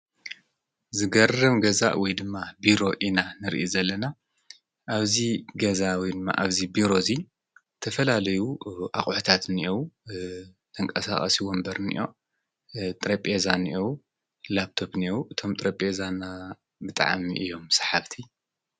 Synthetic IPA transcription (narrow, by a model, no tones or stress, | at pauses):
zɨɡɐrɨmɡɐza̰ʔwɔjd̪ɨmːabiɾo̞ʔinanɨɾḭʔizɐlːɐna | ʔaβziɡɐzawijd̪ɨmːa̰ʔaβzibiɾo̞zi | t̪ʰɐfɐlalɐjuʔa̰χʼʕt̪ʰat̪niʔow | t̪ʰɐŋkʼɐsa̰χʼɐ̰siwɔmbɐɾnḭʔo̞ | t̪ʼɾɐpʼezaniʔew | lap̚t̪ʰo̞bniewuʔɨt̪ʰo̞mt̪ʼɾɐpʼezana | bɨt̪ʼa̰ʕamiʔɨjo̞msḁħaβt̪ʰi